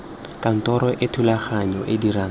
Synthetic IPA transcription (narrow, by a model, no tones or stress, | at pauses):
kʼan̩tʼɔɾɔʔɪtʰulaχaɲɔʔɪdiraːŋ